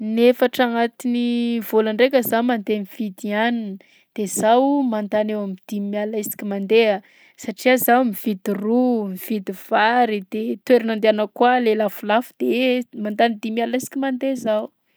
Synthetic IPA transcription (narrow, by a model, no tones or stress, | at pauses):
nefaʈ͡ʂaŋat̪inivolaɳɖ͡ʐekʲəzamand̪emiv̥id̪ianinə | d̪̥ez̥awmand̪anewamid̪̥imialaisi̥kʲimand̪ea | saʈ͡ʂiazawmiv̥id̪irumiv̥id̪iv̥aɾid̪̥et̪weɾinand̪eanəkwalelafulafud̪̥emand̪anid̪imialaisi̥kimand̪ezaw